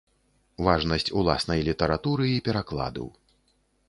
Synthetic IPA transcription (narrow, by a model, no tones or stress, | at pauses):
vaʐnɐsʲt͡sʲulˠa̰snɐjlʲit̪ɐɾat̪uɾɨipʲɛɾaklˠa̰d̪ɐ̰w